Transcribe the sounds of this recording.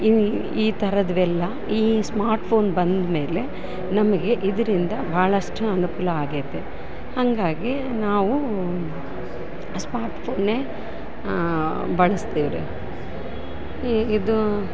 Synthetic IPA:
i | iːt̪ɐɾɐd̪ʋɛlːɐ | iːsmaːɾʈpʰo̞ːnbɐnd̪me̞ːle̞ | nɐmɐɡe̞ʔid̪ɐɾind̪ɐbʱaːɭɐʂʈuɐnukulɐaːɡid̪e | hɐŋɡaːɡi | naːʋu | smaːɾʈpʰoːnːeː | bɐɭɐst̪iːʋɾu | id̪u

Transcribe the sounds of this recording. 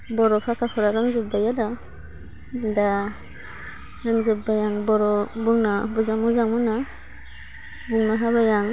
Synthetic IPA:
bɔɾɔpʰakʰapʰɔɾaɾɯŋzɯp̚bajada | da | ɾɯŋzɯp̚bajaŋbɔɾɔbuŋnabuzaŋmuzaŋmuna | buŋnaɦabajaŋ

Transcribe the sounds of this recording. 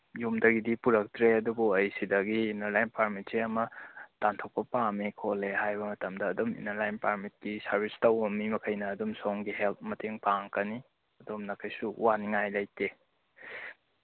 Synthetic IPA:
jumdɐɡidipuɾɐk̚tɾeɐdubuɐjsidɐɡiːnɐɾlajnpaɾmit̚seɐmɐtantʰok̚pɐpamikʰolehajbɐmɐtɐmdɐːdumḭnɐɾlajnpaɾmit̚kisɐɾbistɐonmːimɐkʰɐjnɐːdumsoŋɡiɦelt̚mɐtʰeŋpaŋkɐni | ɐdomnɐkʰɐjsṵwaniŋajlɐjte

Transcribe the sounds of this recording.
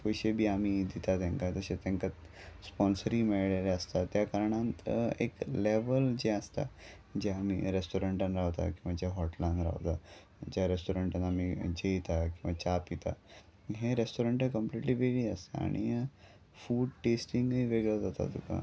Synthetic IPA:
pojɕebʱiːamiːd̪it̪at̪ẽŋkat̪əɕet̪ẽŋkat̪ | spɔnsəɾimeɭɭaleəst̪at̪jakaɾɳãnt̪ḛkleʋəld͡ʑeəst̪a̰ | d͡ʑeamḭːɾesʈoɾəɳʈanɾaʋt̪a̰kĩw̃ʋad͡ʑeɦɔʈlãnɾa̰ʋt̪a | d͡ʑaɾesʈoɾəɳʈanamid͡ʑeit̪akĩw̃ʋat͡ɕapit̪a̰ | ɦeɾesʈoɾəɳʈekəmpliʈliːʋeɡɭiəst̪ea̰ɽ̃ḭ | fuːɖʈesʈiŋɡɦiːʋeɡɭəd͡zat̪a̰t̪uka̰

